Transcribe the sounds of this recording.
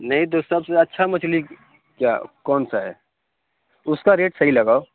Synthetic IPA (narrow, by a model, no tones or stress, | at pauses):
nɐɦĩt̪̬osɐbseɐtːʃʰamɐt͡ʃʰli | kjaːkɔːnsaɦɛ̰ | ʊskaɾeːʈsɐɦilɐɡaːo